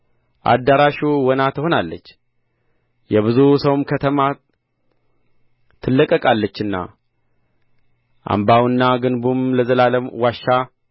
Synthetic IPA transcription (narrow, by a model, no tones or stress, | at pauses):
ʔa̰d̪ːaɾaʃuwɔnat̪ʰəho̞nalːət͡ʃː | jɛβɨzusəwmkʰət̪ʰəma | t̪ʰːɨlːəkʼːəkʼalːət͡ʃːɨnːa̰ | ʔa̰mbawɨnːaɡɨnbumləzəlaləmwaʃːa